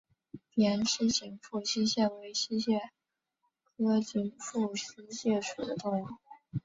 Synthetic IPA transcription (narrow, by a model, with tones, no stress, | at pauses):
ljɛ˧˥nɕi˥t͡ɕi˧˥ŋfu˥˩ɕi˥ɕjɛ˥˩nwe˧˥ɪɕi˥ɕjɛ˥˩ | kʰɤ˥t͡ɕi˧˥nfu˥˩ɕi˥ɕjɛ˥˩ʂṵ˨˩d̪ə̰˦t̪ʊ˥˧ŋ˥˩ŋ